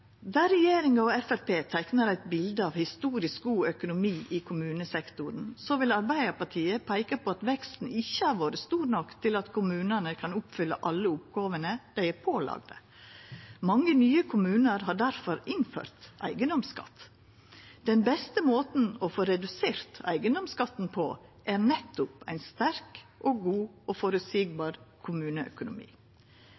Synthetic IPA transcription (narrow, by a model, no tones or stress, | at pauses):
d̪æːɾɛjeːɾɪŋəɔɛfæɾpeːt̪ʰæɪknəɾæɪt̪̚bɪld̪əɑʋhɪst̪uːɾɪsk̚ɡuːœkʊnʊmiːʔɪkʰʊmʉːnəsɛkt̪ʊɾən̩sɔʋɪlɑɾbæɪəɾpɑʈʰiːəpʰæɪkəpʰoːɑt̪ʋɛkst̪n̩ɪçːəhæɾʋoːɾəst̪uːɾnɔkt̪ʰɪlɑt̪kʰʊmʉːnənəkʰɑnʊpfʏlːə̰ʔɑlːəʊpɡɑːʋənəd̪̥æɪæpʰoːlɑ̰ɡd̪ə̰ | mɑŋːənyːəkʰʊmʉːnəɾɦɑːɖæɾfɔɾɪnfø̰ːɾt̪ʔæ̰ɪɡənd̪ɔmskɑ̰t̪ | d̪̥ɛnbɛst̪əmoːt̪n̩ɔfoːɾɛd̪ʉseːɾt̪æ̰ɪɡənd̪ɔmskɑt̪ːn̩pʰɔʔæɾnɛt̪ːʊpæɪnst̪æɾkʔoːɡuːoːfɔɾʉsiːɡ̚bɑːɾkʰʊmʉːnəœ̰kʊnʊ̰mḭː